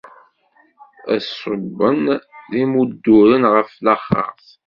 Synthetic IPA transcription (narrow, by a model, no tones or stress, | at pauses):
æ̰səbːənðimud̪ːʊɾənʁəflaχə̰θ